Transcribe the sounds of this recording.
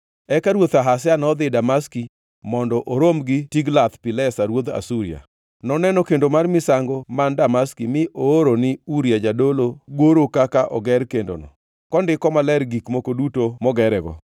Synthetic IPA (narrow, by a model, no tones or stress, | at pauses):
ɛkaɾwot̪aɦasjanɔd̪ɪdamaski | mɔndɔʔoɾomɡɪtiɡlat̪pɪlɛsaɾwod̪a̰suɾḭa̰ | nɔnɛnɔkendomarmɪsaŋɡomandamaskimɪʔoːɾonɪuɾijad͡ʒadoloɡoɾokakaʔɔɡɛɾkendo̰nɔ̰ | kɔndɪkɔmalɛɾɡikmokodutomɔɡɛɾɛɡɔ̰